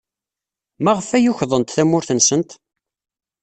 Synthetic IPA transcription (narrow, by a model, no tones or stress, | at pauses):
mæʁəfæjʊçðˤənt̪θæmːʊɾθənsənt̪